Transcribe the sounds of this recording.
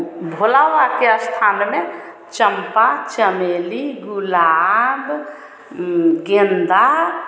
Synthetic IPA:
bʱolaʋakeəst̪ʰanme | t͡ʃəmpat͡ʃəmeliɡulab | ɡend̪a

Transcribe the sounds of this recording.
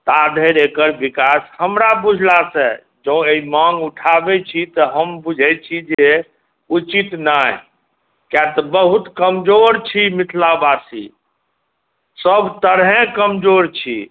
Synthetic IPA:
t̪ad̪ʱeɾekəɾbikashəmɾabud͡ʒʱlase | d͡ʒə̃w̃eimãŋɡuʈʰabɛt͡ʃʰit̪əɦəmbud͡ʒʱɛt͡ʃʰid͡ʒe | ut͡ʃit̪naɦ | kjat̪ɔbəɦut̪kəmd͡ʒoɾt͡ʃʰimit̪ʰlabasḭ | səbt̪əɾɦẽkəmd͡ʒoɾt͡ʃʰḭ

